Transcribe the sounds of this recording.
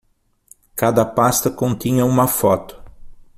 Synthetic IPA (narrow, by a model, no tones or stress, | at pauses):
kad̪ɐpast̪ɐkõnt̪ĩɲɐũmɐfɔt̪ʊ̥